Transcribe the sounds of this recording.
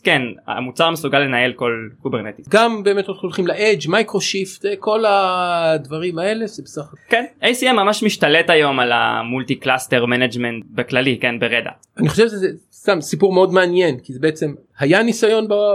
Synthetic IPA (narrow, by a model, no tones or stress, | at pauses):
kena̰mut͡saʁmesuɡalːe̞naelko̞lkubeʁnet̪iɡambe̞ːmet̪otχolχimlaʔed͡ʒmajkʁo̞ʃift̪ko̞ladvaʁimae̞le̞ʃebesaχkenʔejsiemːamaʃmiʃt̪aletajo̞mala̰mult̪iklasteʁmened͡ʒment̪̚beklalikenbeʁed̪a̰ | aniχo̞ʃevʃeze | st̪amsipuʁmeo̞dmeanje̞nkizebeet͡se̞m | hajanisajo̞nba